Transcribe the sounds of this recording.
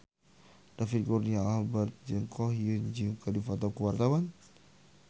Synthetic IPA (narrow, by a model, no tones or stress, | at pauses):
dafit̪̚kurniabat̪̚d͡ʒəŋkʰɔhjund͡ʒiŋkadifat̪̬akuwart̪awan